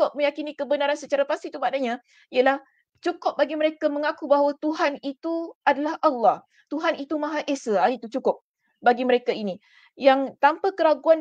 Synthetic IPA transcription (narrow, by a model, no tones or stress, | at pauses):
ʊp̚mə̃jakinikəbənaɾansət͡ʃaɾapast̪it̪umadaɲa | iəlah | t͡ʃukʊp̚baɡiməɾekamə̃ŋakubaɦwat̪uɦanit̪uadalahʔalːɑh | t̪uɦanit̪umãɦaʔesəait̪ut͡ʃukʊp̚ | baɡiməɾekaini | jaŋt̪ampakəɾaɡuan